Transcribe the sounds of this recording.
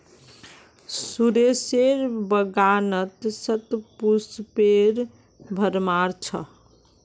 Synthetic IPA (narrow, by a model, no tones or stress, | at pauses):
suɾeseɾbəɡanət̪sət̪puspeɾ | bʱəɾmaɾt͡ʃʰə̰